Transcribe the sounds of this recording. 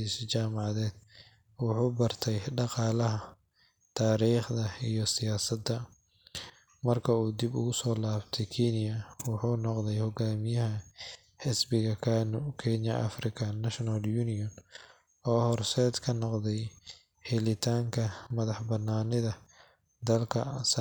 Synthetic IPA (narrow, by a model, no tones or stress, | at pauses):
ist͡ʃaːmɑʕɑðɛːd̪̥̚ | wɑħuːbɐrt̪ʰɛjɖɑqɑːlɐɦɐ | t̪ʰaːɾiːχd̪ɐijɔsɪjaːsɐd̪ːɐ | mɐrkʰɐuːd̪ɪbʊ̰ɣʊsɔːlaːbt̪ʰɛjkʰiːnɪjɐwʊħuːnɔqd̪ɛjhɔɡaːmɪjɐɦɐ | ħɪsbɪɣɐkʰaːnʊkʰɛnɐʔɐ̰frɪkʰɐnɐʃnɐljuːnɪjɔn | ɔːhɔrsɛːd̪kʰɐnɔqd̪ɛj | hɛlɪt̪ʰaːŋkʰɐmɐðɑħbɐnːaːnɪðɐ | d̪ɐlkʰɐs